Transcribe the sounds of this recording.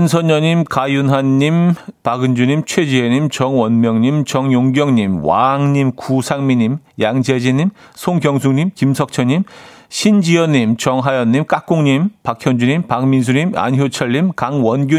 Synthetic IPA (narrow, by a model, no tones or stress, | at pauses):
ɯnsʰʌnʌɲimkajunɦanːimpaɡɯnd͡ʑuɲimt͡ɕʰwed͡ʑieɲimt͡ɕʌŋwʌnmjʌŋɲimt͡ɕʌŋjoŋɡjʌŋɲimwa̰ŋɲimkusʰaŋmiɲimjaŋd͡ʑed͡ʑiɲimsʰoŋɡjʌŋsʰuŋɲimkimsʰʌk̚t͡ɕʰʌɲim | ɕʰind͡ʑiʌɲːimt͡ɕʌŋɦajʌnːimk͈ak͈oŋɲimpakʰjʌnd͡ʑuɲimpakmins̬ʰuɲima̰nçjot͡ɕʰʌɭːimkaŋwʌnɡʲu